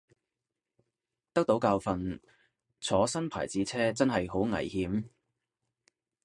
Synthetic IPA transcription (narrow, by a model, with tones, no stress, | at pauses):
t̪ɐ˥k̚t̪o˨˥wkaː˧wfɐ˧n | t͡sʰɔː˨˥sɐ˥npʰa̰ː˨˩jt͡siː˨˥t͡sʰɛː˥t͡sɐ˥nɦɐ˨jɦo˨˥wŋɐ̰˨˩jhiː˨˥m